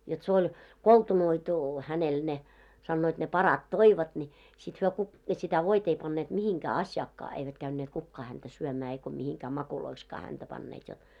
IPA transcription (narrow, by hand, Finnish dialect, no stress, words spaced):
jot se olʲ koltunoitu hænel ne sɑnːoit ne pɑrɑt toiʋɑt nʲi sit hyø ku sitæ ʋoit ei pɑnːeːt mihiŋkæː ɑsʲjɑːkːɑː eiʋæt kæynːeːt kukːɑː hæntæ syømæː eiko mihiŋkæː mɑkuloikskɑː hæntæ pɑnːeːt jot